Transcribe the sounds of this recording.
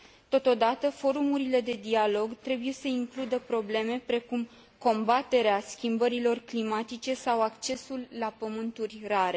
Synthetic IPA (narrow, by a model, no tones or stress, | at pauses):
t̪o̞t̪o̞d̪at̪əfo̞ɾumuɾile̞d̪e̞d̪ialo̞ɡt̪ɾe̞buje̞səiŋklud̪əpɾo̞ble̞me̞pɾe̞kum | ko̞mbat̪e̞ɾeaskʲimbəɾilo̞rklimat̪it͡ʃe̞sawakt͡ʃe̞sulːapəmɨnt̪urʲraɾe̞